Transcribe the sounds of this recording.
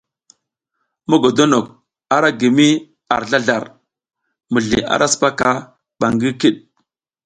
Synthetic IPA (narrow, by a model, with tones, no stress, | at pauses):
mo˦ɡo˨do˦no˨k̚ | a˦ɾa˦ɡi˨mi˦ | a˨ɾɮa˦ɮa˨ɾ | mu˨ɮḭ˨a̰˦ɾʔa˦spa˦ka˦ | ɓa˨ŋɡi˦ki˦ɗ